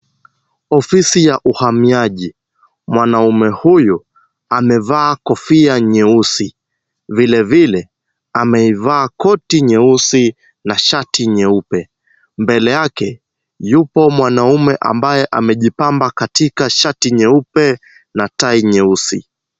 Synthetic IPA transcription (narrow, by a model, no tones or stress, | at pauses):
ɔfisijaʔuhamiaʄi | mwanaumɛhuju | amɛvaːkɔfiaɲɛusi | vilɛvilɛ | amɛivaːkɔtiɲɛusi | naʃatiɲɛupɛ | mbɛlɛjakɛ | jupɔmwanaumɛʔa̰mbajɛʔamɛʄipambakatikaʃatiɲɛupɛ | nataiɲɛusi